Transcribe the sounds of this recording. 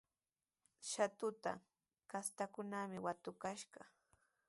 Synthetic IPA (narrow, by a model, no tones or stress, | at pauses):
ʃat̪ʊt̪a̰ | kast̪akʊnamɪwat̪ʊkaʃɢɑ